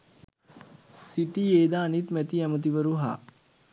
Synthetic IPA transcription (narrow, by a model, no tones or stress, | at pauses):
siʈieːd̪aːnit̪mɛt̪iɛmət̪̬iʋəɾuɦa̰ː